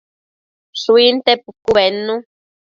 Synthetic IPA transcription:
suint̪epukuβenːũ

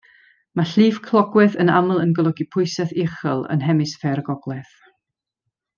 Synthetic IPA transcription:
maɬiːv̥kʰlˠɔɡwɛðənaməlˠənɡɔlˠɔɡipʰʊɨsɛθɪχəlˠə̰nɦɛmɨsfɛɾɡɔɡ̥lˠɛθ

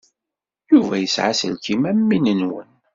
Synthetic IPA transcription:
juvæjəsʕasəlkimæmːinənwə̰n

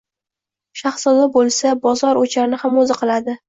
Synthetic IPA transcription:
ʃaχsɒd̪abolˠsabɒzɒɾot͡ʃʰaɾɪnɪhamozɪqʰɨlˠad̪ɪ

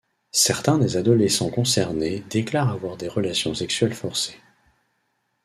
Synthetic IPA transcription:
sɛʁt̪ɛ̃d̪ezad̪ɔlesɑ̃kɔ̃sɛʁned̪eklaʁavwaʁd̪eʁəlasjɔ̃sɛksɥɛlfɔʁse̥

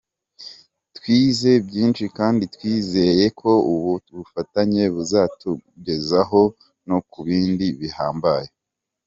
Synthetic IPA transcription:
twiːze̞bɟiːnʃikaːnditwiːze̞je̞kʰo̞uβuβufataɲe̞βuzatuɟe̞zaɦo̞ | no̞kuβiːndiβihaːmbaje

